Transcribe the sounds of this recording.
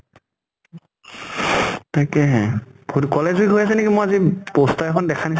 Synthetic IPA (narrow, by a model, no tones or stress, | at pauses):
tajkɛɦɛ̃bukɔlɛziɡɦojasɛnekimojazibɔstaɛkʰɔndɛkʰanis